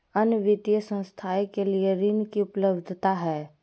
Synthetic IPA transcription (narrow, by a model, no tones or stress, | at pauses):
ənʋɪt̪jəsə̃wst̪ʰaːekelieɾɪnkiʊpləbd̪ʱt̪aɦɛː